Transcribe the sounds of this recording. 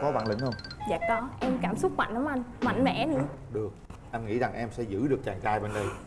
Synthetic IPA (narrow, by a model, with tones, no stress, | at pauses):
kɔ˨˦ɓa̰˧˨lï˧˩˦ŋ̟hə˧wŋ͡mzaː˨˩k̚ɗɔ˨˦ʔɛ˧mkaː˧˩msʊ˦˥k͡p̚ma̰˧˨ŋnə˨˦wʔa˧jŋma̰˧˨jŋ̟mɛ̰˧˥nɨ̰˧˥əɗɨ˨˩ək̚ʔɛ˧mŋḭ˧˥za˨˩ŋʔɛ˧msɛ̰˧˥zɨ̰˧˥ɗɨ˨˩ək̚t͡ɕaː˨˩ŋkaː˧jɓe˧nɗə˧j